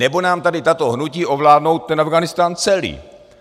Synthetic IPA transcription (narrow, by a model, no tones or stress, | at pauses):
ɛbo̞naːmt̪adɪt̪at̪o̞ɦnuciːʔo̞vlaːdno̞wt̪̚t̪ːɛnavɡanɪst̪aːnt͡sɛlḭː